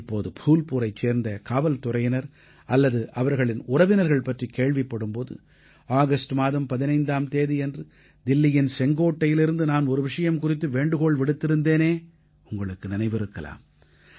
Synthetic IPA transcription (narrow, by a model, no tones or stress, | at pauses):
ɪpːoːðɯpʰuːlpuːɾɐɪt͡ʃːeːɾnd̪ɐkaːʋɐlt̪ʊrɐjɪnɐɾ | ɐlːɐðɯʔɐʋɐɾɣɐɭɪnʊrɐʋɪnɐɾɣɐɭpɐʈrikeːɭʋɪpːɐɽɯmpoːðɯ̰ | aːɣɐsʈɯmaːðɐmpɐðɪnɐɪnd̪aːmt̪eːðiɛndrɯ | d̪ɪlːɪjɪnsɛŋɡoːʈːɐjɪlɪɾɯnd̪ɯnaːnɔɾɯʋɪʂɐjɐmkʊrɪt̪ːɯʋeːɳɖɯɣoːɭʋɪɽɯt̪ːɪɾɯnd̪eːneː | ʊŋɡɐɭɯkːɯnɪnɐɪʋɪɾɯkːɐla̰ːm